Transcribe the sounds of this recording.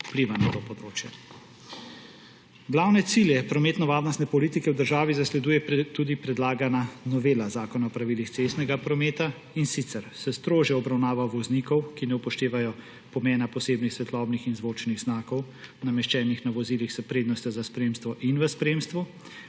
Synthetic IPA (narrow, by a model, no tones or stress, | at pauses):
upliʋanat̪opɔd̪ɾoːt͡ʃjɛ | ɡlawnɛt̪siljɛpɾɔmeːt̪nɔʋaːɾnɔst̪nɛpɔlit̪ikɛwd̪əɾʒaːʋizaslɛd̪uːjɛt̪ud̪ipɾɛd̪laːɡananɔʋeːlazaːkɔnaɔpɾaʋilixsest̪nɛɡapɾɔmeːt̪a | insit̪sɛɾsɛst̪ɾoːʒjɛɔbɾawnaːʋaʋɔznikɔwkinɛupɔʃt̪eːʋajɔ | pɔmɛːnapɔseːbnixsʋɛt̪lɔbnixinzʋoːt͡ʃniɣznaːkɔw | namɛʃt͡ʃɛːnixnaʋɔzilixzɛpɾeːd̪nɔst̪ɛzaspɾeːmst̪ʋɔʔinʋəspɾeːmst̪ʋɔ